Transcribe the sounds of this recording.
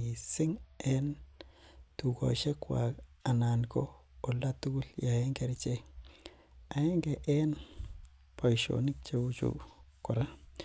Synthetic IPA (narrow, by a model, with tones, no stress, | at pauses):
i˨sɪ˦ŋɛn | tu˨ko̰˨ʃe˦kwa̰˨ka˨na˨nko˦ | o˨la˦tu˦ɡu˦lja˨e˦ŋkeɾt͡ʃe˦ | a˨e˦ŋɡeʔɛ˦n | po˨jʃo̰nɪ˦k̚t͡ʃeu˦t͡ʃṵkʊɾa˦